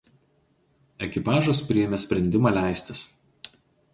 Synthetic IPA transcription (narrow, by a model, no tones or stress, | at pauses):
ɛkʲɪpɑːʒʊspʲɾʲɪjɛmʲɛsʲpʲɾʲɛnʲd̪ʲɪmɑːlʲæˑɪsʲt̪ʲɪs